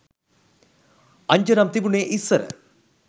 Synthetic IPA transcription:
ɐɲd͡ʑɐnamt̪ibuɳeʔisːɐɾɨ̰

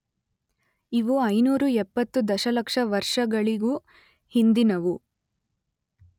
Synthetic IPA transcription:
iʋuɐjnuːɾuɛpːɐt̪ːud̪ɐʃɐlɐkʂɐʋɐɾʂɐɡɐɭiɡuː | hind̪inɐʋu

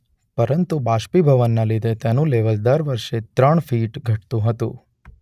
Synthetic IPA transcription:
pəɾənt̪ubaʃpibʱəʋənːalid̪et̪janũleʋəld̪əɾʋəɾʃet̪ɾəɳfiʈɡʱəʈt̪ũɦət̪ṵ̃

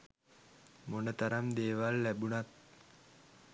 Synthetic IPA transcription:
monət̪aɾamd̪eːʋalːæbunat̪̚

